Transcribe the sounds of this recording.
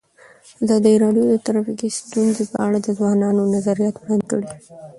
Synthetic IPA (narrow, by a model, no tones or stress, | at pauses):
azɑd̪ajɾɑɖjod̪ət̪aɾɑfikist̪unzepə̰ʔaɽad̪əzwɑnɑnonazaɾijɑt̪bɽɑnd̪kəɽi